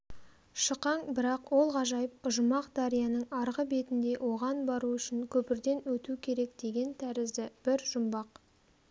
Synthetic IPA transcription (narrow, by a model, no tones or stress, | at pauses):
ʃəqɑŋbɪɾɑqwo̞lˠʁɑʒɑjəpʊʒʊmɑqd̪ɑɾijɑnəɴɑɾʁəbe̞t̪ɪnd̪e̞ʔwʔo̞ʁɑnbɑɾuʏʃɪŋkʲʰɵpɪɾd̪e̞nwɵt̪ukʲʰe̞ɾe̞kd̪̥e̞ɡʲe̞nt̪ʰæɾɪzd̪ɪb̥ɪɾʒ̥ʊmbɑq